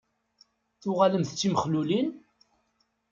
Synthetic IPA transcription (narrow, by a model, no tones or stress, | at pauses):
θʊʁaləmθt͡sːiməχlulin